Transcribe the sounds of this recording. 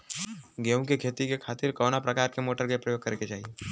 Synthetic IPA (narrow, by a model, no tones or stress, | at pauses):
ɡeːũkekʰeːt̪ikekʰaːt̪ɪɾkɔːnapɾɐkaːɾkemoːʈəɾɡepɾɐjoːɡ̚kɐɾket͡ʃaːɦieː